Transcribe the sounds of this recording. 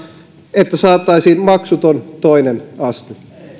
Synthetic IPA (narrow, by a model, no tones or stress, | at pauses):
et̪ːæsɑːt̪ːˑɑisiːnmɑksut̪ont̪oinenɑst̪i